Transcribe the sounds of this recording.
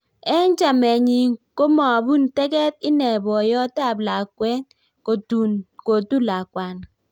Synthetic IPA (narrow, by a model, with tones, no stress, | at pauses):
ɛ˦n˦t͡ʃa˨mɛ˨ɲi˨ŋko˦mɔ˨bu˦ntɛ˦kɛ˦t̚ɪ˦nɛ˨bɔ˨jɔ˦ta˦˨bla˨kwɛ˦n | ko˨tu˨ko˨tu˦la˨kwa˨n